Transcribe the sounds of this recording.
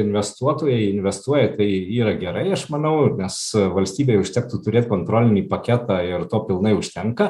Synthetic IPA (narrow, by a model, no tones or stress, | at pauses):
ɪnʲʋʲɛst̪uɔt̪oːjɛɪɪnʲʋʲɛst̪uɔjɛt̪ɐɪiːɾɐɡʲɛɾɐɪɐʃmɐnɐʊnʲɛsʋɐlʲsʲt̪ʲiːbʲeːjʊʃʲt̪ʲɛk̚t̪uːt̪ʊɾʲeːt̪ʲkoːnt̪ɾoːlʲɪnʲiːpɐkʲæːt̪ɑɪɾt̪oːpʲɪlˠnɐɪʊʃʲt̪ʲɛŋkɐ